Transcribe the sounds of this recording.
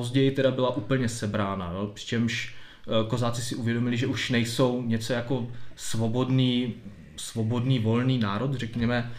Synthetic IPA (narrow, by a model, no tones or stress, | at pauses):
pozɟɛjɪt̪ɛdabɪlaʔuːpl̩ɲɛsɛbɾaːna̰nopr̝̥ɪ̥t͡ʃɛmʃ | ko̞zaːt͡sɪsɪʔuvjɛdo̞mɪlɪʒɛʔuʃnɛjso̞wɲɛt͡so̞jako̞svo̞bo̞dniː | svo̞bo̞dniːvo̞lniːnaːɾo̞t̪r̝ɛkɲɛmɛ